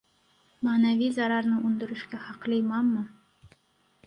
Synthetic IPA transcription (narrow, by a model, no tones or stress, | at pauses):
manævizaɾɑɾnɤʔund̪ŏɾɘ̆ʃkæχɑqlˠɤjmɑmːɤ